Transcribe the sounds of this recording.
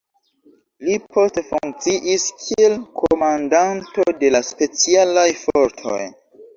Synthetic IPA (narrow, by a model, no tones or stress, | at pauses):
lipʰo̞stefuŋk̚t͡siʔiskʰielkʰo̰mandanto̞de̞laspe̞t͡sialajfo̞ɾtʰo̞̰j